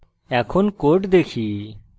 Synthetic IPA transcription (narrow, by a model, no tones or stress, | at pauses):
ɛkʰɔnkoʈd̪ekʰi